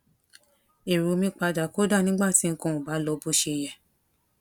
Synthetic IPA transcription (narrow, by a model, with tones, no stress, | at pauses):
e˨ɾo˨mĩ˧k͡pa˧da˨ko˦da˦˨nĩ˦ɡ͡ba˦˨ti˨˦˧kɔ̃˧˨ũ˨ba˨˦lɔ˧bo˦ʃe˧j̃ɛ̃˨˧